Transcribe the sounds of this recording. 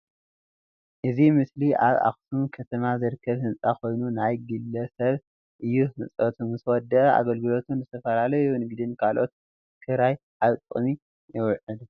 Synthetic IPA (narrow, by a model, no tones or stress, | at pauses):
ʔɨzimɨsliʔaβa̰xsumkʰɐt̪ʰɐmazɨɾɨkʰːɐβhɨnt͡sʼako̞jnunajɡɨlːɐsɐβ | ʔɨjːuhɨnt͡sʼɐt̪ʰumɨt̪ʰwɔd̪ːɐʔa̰ɡɐlɡɨlo̞t̪ʰunzɨt̪ʰɐfɐlalɐjunɨɡd̪ɨnkʰalʔo̞t̪̚ | kʰɨɾaj | ʔaβt̪ʼɨ̰mi | jɪwʊʕɨd̪